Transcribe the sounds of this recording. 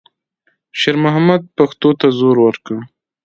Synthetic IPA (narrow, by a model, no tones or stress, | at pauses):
ʃeɾmʊɦamad̪̚paxt̪ot̪azoɾwəɾkə